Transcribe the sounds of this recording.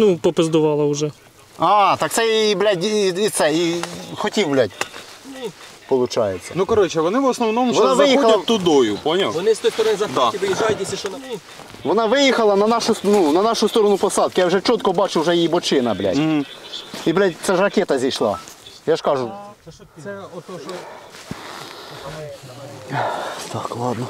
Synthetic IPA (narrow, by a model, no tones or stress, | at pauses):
nupɔpɪzd̪ʊʋɑlˠɐʊʒɛ | ɑt̪ɑkt̪sɛiblʲadʲit̪sɛixɔtʲiwblʲatʲ | pɔlˠʊt͡ʃajet͡sʲːɐnukɐɾɔt͡ʃɛʋɔnɪʋɔsnɔʋnomʋɔɔaʋɪjiɐldʲɐt̪ːʊd̪ɔjʊpɔnʲɪlˠʋɔnɪsʲt̪ɔt̪ɔɾɐd̪ɑʋɪʒajʲs | ʋɔnɑʋɪjɪxɐlˠɐnɐnɑʃʊnunɐnɑʃʊst̪oɾɔnʊpɔsɑd̪̚kɪjawʐɛt͡ʃɔt̪kɔbɑt͡ʃʊwʐɛjijibɔt͡ʃɪnɐblʲa̰tʲɦ̩ | iblʲætʲt̪sɛʒrɐkʲɛt̪ɐzʲdʲesʲʃlˠɑ̰jaʂkɑʐʊ | ɛ | t̪ɑklˠɑd̪nɔ